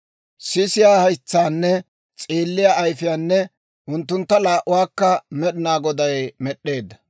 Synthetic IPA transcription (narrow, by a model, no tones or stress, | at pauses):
sɪsɪjaːhɐjt͡sːaːnːɛ | t͡sʼiːlːɪjaːʔɐjfɪjaːnːɛ | ʊnt̪ːʊnt̪ːɐlaːʔʊwaːkːɐmɛɗɪnaːɡɔd̪ɐjmɛɗːe̞ːd̪ːɐ